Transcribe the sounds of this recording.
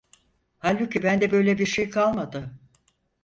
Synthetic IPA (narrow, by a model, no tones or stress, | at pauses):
halʲbucʰibænd̪ɛbø̞jlʲɛbiɾʃejkʰalˠmad̪ɯ